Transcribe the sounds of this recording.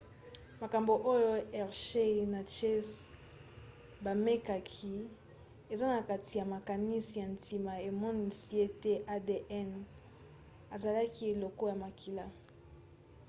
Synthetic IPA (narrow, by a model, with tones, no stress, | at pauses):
ma˨ka˨mbo˨ʔo˦jo˦ɛ˨ʁʃe˦˨na˨t͡ʃɛ˦s | ba˨me˦ka˨kʰi˦ | e˨za˦na˨ka˨tʰi˨ja˨ma˨ka˨ni˦si˨ja˨ntʰi˨ma˨e˨mɔ˦ni˨si˦e˦te˦ʔa˦de˨ʔɛ˦n | a˨za˨la˦ki˦e˨lo˨ko˦ja˨ma˨kʰi˨la˦